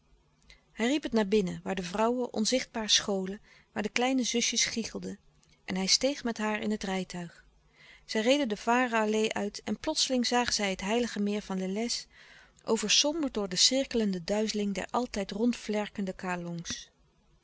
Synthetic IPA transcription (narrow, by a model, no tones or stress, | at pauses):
hɛjripɦətnaːɹbɪnəʋaːɹdəvrɑwəʔɔ̰nzɪχd̚baːɹəsχowlə | ʋaːɹdəklɛjnəzɵsjəsχiχəlˠdə | ʔɛnɦɛjstejχmɛtɦaːɹɪ̰nɦətrɛjtœɥχ | z̥ɛjrejdəndəv̥aːrəɑlejʔœɥtɛnplɔtsəlɪŋzaːχəzɛjɦətɦɛjləχəmɪːɹvɑndəlɛs | ʔowvəɹsɔmbəɹdʊːɹdəsɪɹkələndədœɥzəlɪŋdɛ̰ɹʔɑlˠtɛjtrɔntflɛɹkəndəkaːlɔŋs